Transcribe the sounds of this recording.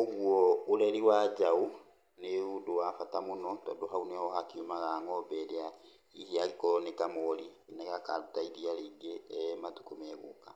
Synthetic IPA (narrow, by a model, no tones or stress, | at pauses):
oɣwɔːɾɛɾiwaːd͡ʒau | neodowafatamonɔtɔ̰ːdɔɦaunɛɔɦakiumaɣaŋɔbɛɾea | ihiaɣekɔnekamɔɾi | inaɣaka̰ɾotaiɾiaɾiːɡematu̥komɛɣo̰ka